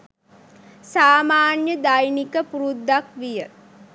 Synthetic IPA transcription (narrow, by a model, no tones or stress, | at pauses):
saːmaːnjəd̪ajnikəpuɾud̪ːakʋijə